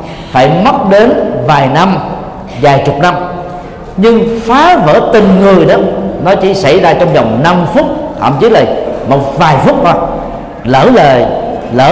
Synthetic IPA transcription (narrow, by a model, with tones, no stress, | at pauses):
faː˧˩jmə˦˥t̚ɗe˨˦nvaː˨˩jna˧m | zaː˨˩jt͡ɕʊ˨˩k͡p̚na˧m | ɲɨ˧ŋfaː˨˦və̰ː˧˩t̪ï˨˩ŋŋɨ˨˩əjɗɔ˨˦nɔ˨˦t͡ɕḭ˧˩sa̰˧˩jzaː˧t͡ɕɔ˧wŋ͡mzɔ˨˩wŋ͡mna˧mfʊ˦˥k͡p̚t̪ʰa̰ː˧˨mt͡ɕi˨˦laː˨˩jmo˨˩t̚vaː˨˩jfʊ˦˥k͡p̚ɗɔ˧˦ | ləː˧˩ləː˨˩jləː˧